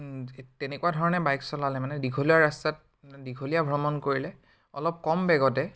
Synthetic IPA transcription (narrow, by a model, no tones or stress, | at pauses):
tɛnekuadʱɔɹɔnɛbajksɔlalɛmanɛdiɡʰʱoliaɹastat̚ | diɡʰʱolijabʱɹɔmɔnkoɹilɛ | ɔlɔp̚kɔmbɛɡɔtɛ